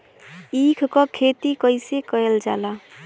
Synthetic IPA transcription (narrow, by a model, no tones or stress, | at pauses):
ikʰkɔkʰet̪ikəɪsekəld͡ʒa̰ːla